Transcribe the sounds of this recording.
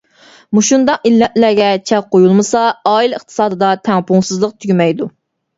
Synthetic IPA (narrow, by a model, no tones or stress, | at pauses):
muʃund̪ɑqilːɛʔlæɡʲɛt͡ʃʰɛqʰojulˠmɨsɑɑːiləχt̪ʰɨ̥sɑːd̪ɨd̪ɑt̪ʰɛŋpʰuŋsɨzlˠəq̚t̪ʰyɡʲymɛjd̪u